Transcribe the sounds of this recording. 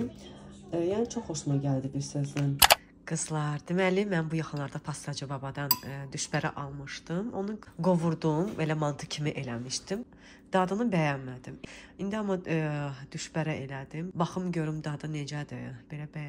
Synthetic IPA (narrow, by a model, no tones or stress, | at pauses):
jæːnit͡ʃʰoχoʃumaɟælʲd̪ibiɾsøzlin | ɡ̥ɯzlˠɑɾd̪imælimænbujɑxɯnlˠɑɾd̪ɑpʰɑst̪ɑd͡ʒɯbɑbɑd̪ɑnd̪yʃbæɾɛ̰ʔɑlˠmɯʃt̪ɯmo̞nuɡo̞vuɾd̪uumbelæmɑlˠd̪ʰɯ̥cʰimiʔe̞lʲæmiʃt̪im | d̪̥ɑd̪ɯnɯbæjɑnmæd̪imind̪iɑmɑd̪̥yʃbæɾæʔelæd̪imbɑxɯmɟø̞ɾymd̪ɑd̪ɯned͡ʒæd̪ɯb̥e̞læbæj